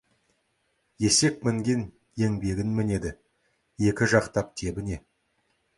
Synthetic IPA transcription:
je̞se̞k̚mɪŋɡʲen | je̞ŋbe̞ɡʲɪnmɪne̞d̪ɪ | je̞kʲɪʒɑqt̪ɑp̚t̪ʰe̞bɪne̞

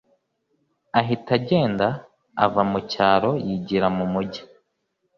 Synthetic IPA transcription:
aɦitaɟe̞ːnda̰ː | vamucaːɾojiɟiɾamumuɟḁ

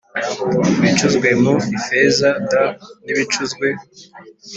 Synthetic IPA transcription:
βit͡ʃuzɡwe̞muvifezadaniβit͡ʃuzɡwe̞

